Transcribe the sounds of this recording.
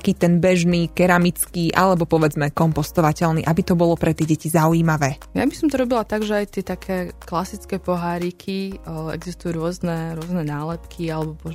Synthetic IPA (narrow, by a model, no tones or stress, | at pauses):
akiːt̪ɛnbɛʒniːkɛɾamit͡skiʔa̰lɛbɔpɔʋɛd͡zmɛkɔmpɔst̪ɔʋacɛʎnḭːʔabit̪ɔbɔlɔpɾɛt̪ɪɛɟɛcizaujiːmaʋɛː | ja̰bisɔmt̪ɔɾɔbilat̪aɡʒɛajt̪ɪɛt̪akʰɛːklasit͡skɛpɔɦaːɾikʰiɛ̰ɡzist̪ujuɾʊɔznɛɾʊɔznɛnaːlɛt̪kʰialɛbɔpɔ